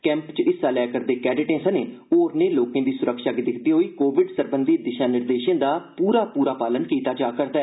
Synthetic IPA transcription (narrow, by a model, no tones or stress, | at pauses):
kɛ̃ːmpt͡ʃɪsːaːlɛːkəɾd̪eːkɛːɖɪʈẽːsənẽː | oːɾneːloːkẽːd̪iːsʊɾəkʃaːkid̪ɪkʰd̪iːɦoːiːkoːʋɪɖsəɾbənd̪iːd̪ɪʃãːnɪɾd̪eːʃãːd̪aːpuːɾaːpuːɾaːpaːlənkiːt̪aːt͡ʃaːkəɾd̪aː